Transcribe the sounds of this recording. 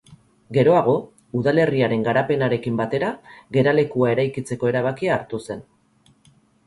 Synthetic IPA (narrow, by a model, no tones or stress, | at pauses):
ɡe̞ɾo̞aɣo̞ | uðale̞riaɾe̞ŋɡaɾape̞naɾe̞kimbat̪e̞ɾaɣe̞ɾale̞kuae̞ɾajkit͡se̞ko̞e̞ɾaβ̞akiaːɾt̪use̞n